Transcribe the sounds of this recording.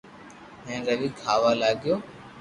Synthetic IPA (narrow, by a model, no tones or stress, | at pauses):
ɦẽːɾəʋiːkʰaːʋaːlaːɡɪjoː